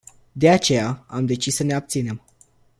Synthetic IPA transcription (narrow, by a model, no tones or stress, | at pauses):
d̪e̞at͡ʃe̞jaamd̪e̞t͡ʃissəne̞ab̚t̪sine̞m